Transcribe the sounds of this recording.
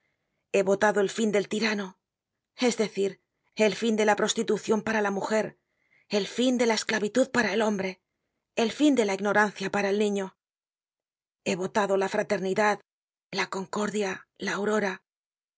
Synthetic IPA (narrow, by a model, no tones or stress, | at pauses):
e̞βo̞t̪aðo̞e̞lfind̪e̞lt̪iɾano | e̞zðe̞θiɾ | e̞lfind̪e̞lapɾo̞st̪it̪uθjo̞mpaɾalamuxe̞ɾ | e̞lfind̪e̞lae̞sklaβit̪uðpaɾae̞lo̞mbɾe̞ | elfind̪e̞laiɣno̞ɾanθjapaɾaelnĩɲo̞ | e̞βo̞t̪aðo̞lafɾat̪e̞ɾniðað | lako̞ŋko̞ɾðjalaːwɾo̞ɾa